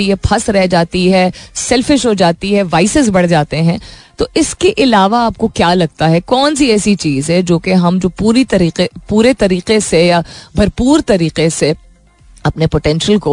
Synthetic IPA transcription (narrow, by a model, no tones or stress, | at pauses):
iɦɛpʰɐsɾɛɦd͡ʒaːt̪iɦɛːsɛlfɪʃɦod͡ʒaːt̪iɦɛʋaːɪsɪzbɐɽ̤d͡ʒaːt̪eɦɛ̃t̪oɪskeʔɪlaːʋaaːp̚kokjaːlɐɡ̚t̪aɦɛkɔːnsiɛːsit͡ʃiːzɦɛd͡ʒoːkeɦɐmd͡ʒoːpuːɾit̪ɐɾiːqepuːɾet̪ɐɾiːqesejabʱɐɾpuːɾt̪ɐɾiːqese | ɐpnepoʈɛ̃ːnʃəlko